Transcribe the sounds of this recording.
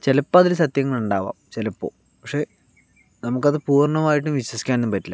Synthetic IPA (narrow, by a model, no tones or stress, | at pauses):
t͡ɕe̞lɐpːɐðilsɐt̪jɐŋːɐɭuɳɖaːʋa̰ːmt͡ɕe̞lɐpːo̰ː | pɐkʂe̞ː | nɐmukːɐðɨpuːrɳɐmaːjiʈːumʋiɕwɐsi̥kʲːaːnumpɐtːilːa